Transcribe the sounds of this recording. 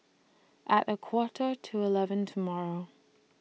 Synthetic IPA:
ʔəʔəkʰw̥ɔɹʔə˞tʰəɪlˠɛvə̃ntʰəmɔɹo

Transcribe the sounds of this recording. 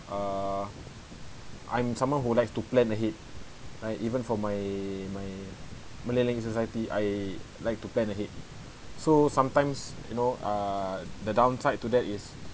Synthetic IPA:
ʔa | ʔã̰j̃msãmwɔ̃nɦulajkstuplɛ̃nəɦet̚ | ɹajtivə̃nfɔmajmaj | məlelɛ̃ŋɡsosajətiʔa̰j | laɪk̚tuplɛ̃nəɦet̚ | sosãmtãɪ̃msjunoadədãw̃nsaɪd̚tːudɛtis

